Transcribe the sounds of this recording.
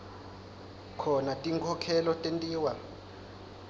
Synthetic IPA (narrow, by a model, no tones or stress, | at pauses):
kʰɔnatʼiŋkʰɔkʰɛlɔtʼentʼiːwa